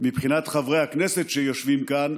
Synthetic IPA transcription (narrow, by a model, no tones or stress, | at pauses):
mipχinat̪χavʁejhakneset̪ʃejo̞ʃvimkan